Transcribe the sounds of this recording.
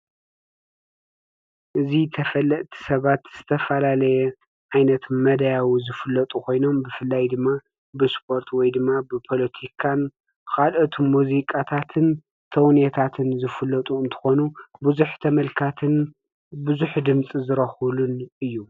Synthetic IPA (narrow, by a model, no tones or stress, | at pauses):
ʔɨzit̪ʰɐfɐlːɐʔt̪ʰi̥sɐβat̪z̥ɨt̪ʰɐfɐlalɐjɛ | ʕajnɐt̪mɐd̪ajawizɨfɨlːɐt̪ʼukʰo̞jno̞mbɨfɨlːajd̪ɨmːa | bɨspʰo̞ɾt̪ʰwɔjd̪ɨmːabɨpʰo̞lɐt̪ʰikʰan | xalʔot̪ʰmuzikʼat̪ʰat̪ʰɨn | t̪ʰɐwnjɛt̪ʰat̪ʰɨnzɨfɨlɐt̪ʼuɨnt̪ʰɨ̥xo̞nubuzuħt̪ʰɐmɐlkʰat̪ʰɨn | bɨzuħd̪ɨmt͡sʼizɨɾɐxulunɨjːu